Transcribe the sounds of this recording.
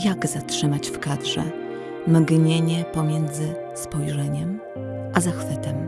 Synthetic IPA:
jaɡz̥atʂɘmat͡ɕfkad̪ʐɛ̰ | mɡɲeɲɛpɔmʲjɛnd̪zɘ | spɔjʐɛɲɛm | ʔazaxfɘt̪ɛm

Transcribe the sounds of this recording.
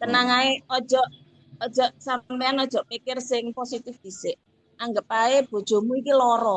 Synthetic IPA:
t̪ənaŋaeɔd̥ʒ̥ɔʔ | ɔd̥ʒ̥ɔʔsampeanɔd̥ʒ̥ɔ̤ʔpikɪrsɪŋposit̪ɪfd̪̥i̤sɪʔ | aŋɡəp̚aeb̥o̤d̥ʒ̥ɔ̤muikilɔɾɔ

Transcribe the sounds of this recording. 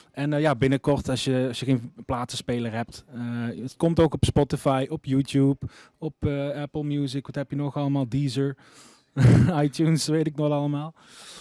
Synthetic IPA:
ɛnjaːbɪnəkɔrtɑsjəɑsjəɣejnplaːtəspejləɹɦɛp̚tːətkɔmtowkɔpspɔtɪfɑjʔɔpjuːtjup | ɔpəɛpəl̩ˠmjuːzəkʋɑtɦɛpjənɔχɑləmaːlˠdiːzəɹ | ɑjtunsʋejtɪk̚nɔxtɑləmaːlˠ

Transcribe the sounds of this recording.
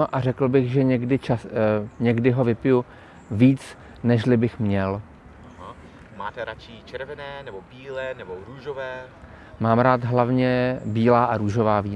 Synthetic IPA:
oʔarɛkl̩bɪɣʒɛɲɛɡdɪt͡ʃaɲɛɡdɪɦo̞vɪpɪju | viːt͡s | nɛʃlɪbɪxmɲɛl | ɦa | maːt̪ɛɾat͡ʃit͡ʃɛɾvɛnɛːnɛbobiːlɛːnɛboɾuːʒovɛː | maːmɾaːt̪ɦlavɲɛbiːlaːʔaɾuːʒo̞vaːviː

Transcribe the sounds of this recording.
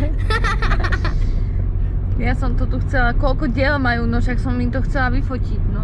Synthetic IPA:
jasɔmt̪ɔt̪uxt͡sɛlakɔlkɔɟɪɛlmajuːnɔʃaksɔmimt̪ɔxt͡sɛlaʋifɔciɟnɔ

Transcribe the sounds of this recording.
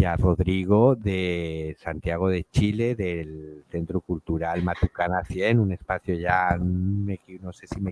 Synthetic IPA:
jaro̞ðɾiɣ̞o̞ðesant̪jaɣ̞o̞ð̞e̞t͡ʃile̞ðe̞lθe̞nt̪ɾukult̪uɾalmat̪ukanaθje̞nune̞spaθjo̞ʝanmeknose̞sime

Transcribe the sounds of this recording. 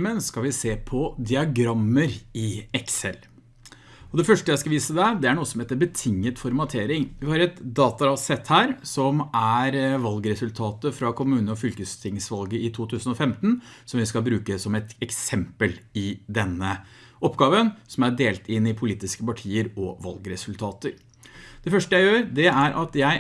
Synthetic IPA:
mənskɑlʋɪseːpʰɔd̪ɪɑɡɾɑmːəɾɪɛksɛl | ɔd̪ɛfœʂʈəjæɪskɑʋiːsəd̪ɛd̪ɛæɳuːəsɔmheːt̪əɾbət̪ʰɪŋːət̪fɔɾmɑt̪ʰeːɾɪŋʋɪhɑɾɛt̪d̪ɑːt̪ɑɑsɛt̪hæːɾsɔmæɾʋɑlɡɾɛsʉlt̪ʰɑːt̪əfɾɑkʰʊmʉːnəɔfʏlkəst̪ʰɪŋsʋɑlɡəɪt̪ʰuːt̪ʰʉːsən̩ɔfɛmt̪n̩sɔmʋɪskɑlbɾʉːkəsɔmɛt̪ɛksɛmpəlɪd̪ɛnːə | ʔɔpːɡɑːʋənsɔmæɖeːlt̪ʰɪnːɪpʰʊliːt̪ɪskəpɑʈʰiːəɾɔ̰ʋɑ̰lɡɾɛsʉlt̪ʰɑːt̪əɾ | d̪̥ɛfœʂʈəjæɪjøːɾd̪ɛæɾʔɑt̪jæɪ

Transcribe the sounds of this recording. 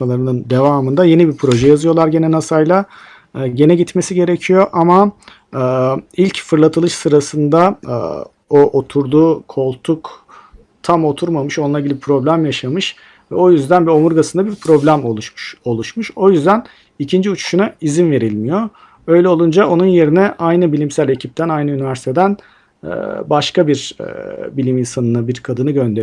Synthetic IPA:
alˠaɾɯnɯnd̪e̞vaːmɯnd̪aje̞nibiɾpʰɾo̞ʒɛjazɯjo̞lˠaɾɟe̞nɛnasajlˠa | ɟe̞nɛɟit̪me̞siɟe̞ɾecʰijo̞ʔama | ɯːilʲcfɯɾlˠat̪ʰɯlˠɯʃsɯɾasɯnd̪a̰ | oʔot̪ʰuɾd̪uːkʰo̞lˠt̪ʰuk | t̪ʰamo̞t̪ʰuɾmamɯʃonˠaɾɟilʲiipʰɾo̞blʲæmjaʃamɯʃ | vɛo̞jyzd̪ænbio̞muɾɡasɯnd̪abiɾpʰɾo̞blʲæmolˠuʃʃo̞lˠuʃmuʃo̞jyzd̪æn | icʰind͡ʒiut͡ʃʰu̥ʃunaizinve̞ɾilʲmijo̞ | ø̞jlʲɛolˠund͡ʒaʔo̞nunje̞ɾinɛʔajnɯbilʲimsælʲe̞cʰip̚t̪ʰænajnɯynivæɾsi̥t̪ʰe̞d̪æn̰ː | baʃkabiɾ̰ | bilʲiminsanɯnɯbiɾkʰad̪ɯnɯɟø̞nd̪eɾ

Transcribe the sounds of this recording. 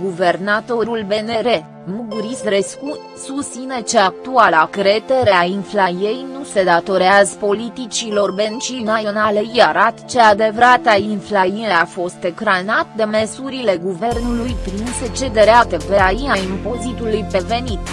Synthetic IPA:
ɡuve̞rnat̪o̞ɾulbe̞ne̞ɾe̞ | muɡɾist̪ɾesku | sust̪sine̞t͡ʃeak̚t̪ualakɾe̞t̪eɾe̞ainflaje̞jnuse̞d̪at̪o̞ɾeazəpo̞lit̪it͡ʃilo̞rbe̞nt͡ʃinaonale̞jaɾat̪t͡ʃe̞ad̪e̞vɾat̪ainflajineafo̞st̪e̞kɾanat̪̚d̪e̞mesuɾile̞ɡuve̞rnulujpɾinse̞t͡ʃe̞d̪e̞ɾeat̪eveajinaimpo̞zit̪ulujpe̞ve̞nit̪

